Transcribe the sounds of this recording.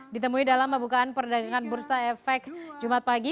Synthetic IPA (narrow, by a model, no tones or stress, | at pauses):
dit̪əmuidalamːəmbukaanpərdaɡaŋanbursaɛfɛkd͡ʒumat̪̚paɡi